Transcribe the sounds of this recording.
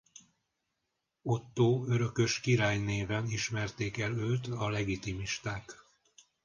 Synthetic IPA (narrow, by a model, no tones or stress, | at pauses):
o̞t̪ːoːø̞ɾø̞kø̞ʃkiɾaːjneːvɛniʃmɛrt̪eːkɛløːt̪ɒlɛɡit̪imiʃt̪aːk